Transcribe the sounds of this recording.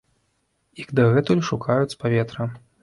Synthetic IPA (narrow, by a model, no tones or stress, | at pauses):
ikd̪ɐɣɛt̪ulʲʂukʰajut͡sʲpavʲɛt̪ɾɐ